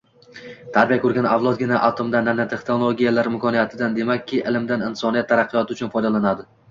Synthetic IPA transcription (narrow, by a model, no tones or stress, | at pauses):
t̪ʰaɾbijakʰɵɾɡʲanavlˠɒt̪̚ɡʲɪnaʔat̪ʰomd̪anːanːat̪ʰe̞χnolˠoɡʲijalaɾɪmkʰɒnijat̪ʰɪd̪and̪e̞makʲːɪʔɪlɪmd̪anɪnsɒnijat̪ʰːaɾɑqʰːɨjɒt̪ʰɪʊt͡ʃʰʊnfɒjd̪alanad̪ɪ